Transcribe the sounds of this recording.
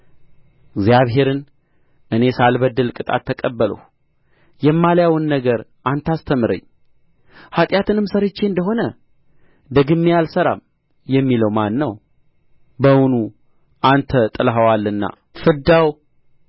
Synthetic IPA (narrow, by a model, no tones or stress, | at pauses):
ɪɡzjaβɦe̞ɾɨn | ʔɨne̞salbəd̪ːəlkʼɨt̪ʼa̰t̪ʰːəkʼəbːələ̰w | jɛmːaljawɨnːəɡəɾʔant̪ʰast̪ʰəmɨɾə̰ɲː | hat̪ʼjat̪ɨnɨmsəɾɨt͡ʃːeɨnd̪əɦo̞nə | d̪əɡɨmːijalsəɾa̰m | jɛmːiləwmanːəw | bəwunu | ʔant̪ʰət̪ʼɨlɦəwalːɨnːa̰ | fɨd̪aw